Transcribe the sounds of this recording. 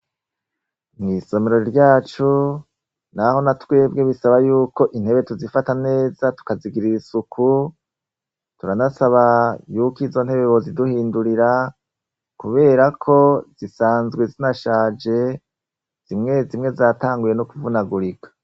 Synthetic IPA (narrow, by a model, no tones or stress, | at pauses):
mŋiso̞meɾo̞ɾiɾɟaːt͡ʃu | naho̞natwe̞ːb̚ɡe̞βisaβajuːko̞ʔin̥he̞βe̞tuzifatane̞ːzatu̥kaziɡiɾiisukʰu | tuɾanasaβajuːkiːzo̞n̥he̞βeβo̞ziduhiːnduɾiɾa | kuβe̞ːɾakʰo̞z̥isaːnzɡwezinaʃaːd͡ʒe̞ | z̥imŋe̞zimŋe̞zaːtaːŋɡuje̞nokuvunaɡuɾikḁ